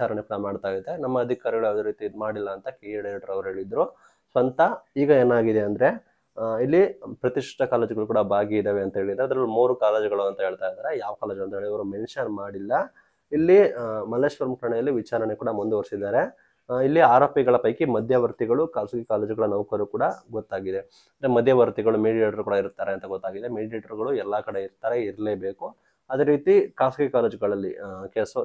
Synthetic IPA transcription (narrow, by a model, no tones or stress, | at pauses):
it͡ʃaːɾɐɳekuːɽɐmaːɖt̪aːjid̪enɐmːɐːd̪ʱikaːɾiɡɐɭuɐd̪oɾiːt̪imaːɽilːɐːnt̪ɐkeɖɐɾeʈːɐɾɐʋɐɾuɦe̞ːɭid̪ɾu | sʋɐnt̪ɐiːɡɐeːnaːɡid̪eɐnd̪ɐɾe̞ | ilːipɾɐt̪iʂʈɐkaːleːd͡ʒiɡɐɭukuːɽɐbʱaːɡiid̪eːʋeɐnt̪ɐɦe̞ːɭid̪ːaɾɐd̪ɐɾɐlːumuːɾukaːleːd͡ʒɡɐɭuɐnt̪ɐɦe̞ːɭt̪aːjd̪aːɾejaːʋɐkaːleːd͡ʒuɐnt̪ɐɦeɭɐʋɐɾumenʂɐnmaːɽilːɐ | ilːimɐleːʂpɐɾmkɐɾɐɳejɐlːiʋit͡ʃaːɾɐnekuːɽɐmund̪eoɾsid̪ːaːɾe̞ | ilːiaːɾoːpiɡɐɭɐpɐjkimɐd̪ʱjɐʋɐɾt̪iɡɐɭukaːsɡikaːleːd͡ʒɡɐɭɐnɐʋkɐɾukuːɽɐɡɔt̪ːaːɡid̪e | ɐnd̪ɾemɐd̪ʱjɐʋɐɾt̪iɡɐɭumeɽijeʈɐɾukuːɽɐiɾut̪ːaːɾeɐnt̪ɐɡɔt̪ːaːɡid̪e̞meːɖieːʈɐɾɡɐɭuɛlːɐkɐɽeiɾt̪aːɾeiɾɐleːbeːku | ɐd̪eːɾiːt̪ikaːsɡikaːled͡ʒɡɐɭɐlːikesɐ